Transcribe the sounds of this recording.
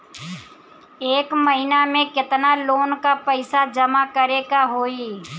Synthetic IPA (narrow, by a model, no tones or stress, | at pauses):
eːkməɦɪnamẽkɪt̪naloːnkapɛɪsad͡ʒɐmakɐɾekaɦoːiː